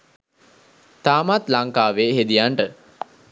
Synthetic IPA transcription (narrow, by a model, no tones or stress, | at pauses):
t̪aːmat̪laŋkaːʋeːɦed̪ijaɳʈə